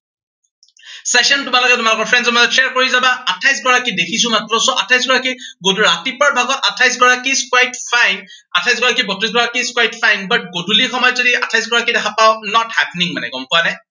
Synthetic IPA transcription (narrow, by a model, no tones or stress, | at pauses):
sɛsɔntʊmalɔɡɛtʊmalʊkɔɹpʰɹɛnzɔmazɔtʃeɛɹkoɹizabaatʰajsɡɔɹakidekʰisʊ̃matɹɔsɔʔa̰tʰajs̬ɡɔɹakiɡodʱuɹatipɔɹbʱaɡɔtatʰajs̬ɡɔɹakiskwajtfʰajn | atʰajsɡɔɹakibɔtɹis̬ɡɔɹakiskwajtpʰajnbat̚ɡodʱulixɔmɔjɔtzodiatʰajsɡɔɹakidɛkʰapaʊnɔthɛpniŋmanɛ̰ɡɔmpʊanaj